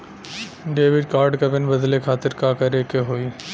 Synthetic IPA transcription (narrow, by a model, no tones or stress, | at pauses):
ɖeːʋɪɖkaːɾɖkɐpɪnbɐd̪lekʰaːt̪ɪɾkaːkɐɾeːkeɦoːiː